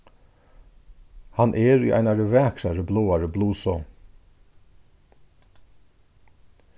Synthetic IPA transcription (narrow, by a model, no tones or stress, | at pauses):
hanʔɛɾiʔa̰jnaɹəvɛːkʰɾaɹəbloːaɹəbluːsɔ